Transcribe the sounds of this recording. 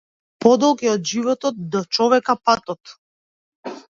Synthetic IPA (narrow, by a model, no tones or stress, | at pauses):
pɔd̪ɔlˠɡɛɔd̪ʒivɔt̪ɔt̪̚d̪ɔt͡ʃɔvɛkapat̪ɔt̪